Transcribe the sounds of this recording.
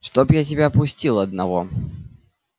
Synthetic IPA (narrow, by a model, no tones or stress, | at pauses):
ʂt̪opjat̬ʲɪbʲapʊsʲtʲilˠɐd̪nɐvo̰